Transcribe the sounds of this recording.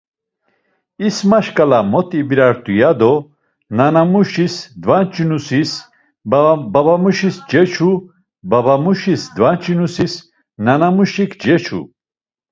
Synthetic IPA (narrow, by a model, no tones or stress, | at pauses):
ismaʃkʼalamɔt̪ʼibiɾaɾt̪ʼujad̪ɔ | nanamuʃisd̪vant͡ʃʼinusis | babamuʃisd͡ʒɛt͡ʃʰu | babamuʃisd̪vant͡ʃʼinusis | nanamuʃikʰd͡ʒɛt͡ʃʰṵ